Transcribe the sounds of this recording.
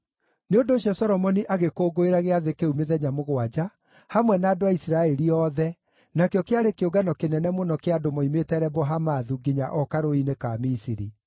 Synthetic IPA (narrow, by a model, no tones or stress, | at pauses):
neondoːɕjɔsɔɾɔmɔniʔaɣekoːɡoeɾaɣeaðekeumeðɛɲamoɣwad͡ʑa | hamwɛnaːdoaisiɾaɛɾiɔðɛ | nakeɔkeaɾekeoɡanɔkenɛnɛmonɔkeadomɔimetɛɾɛbɔɦamaðuɡiɲaʔɔkaɾoinekamisiɾḭ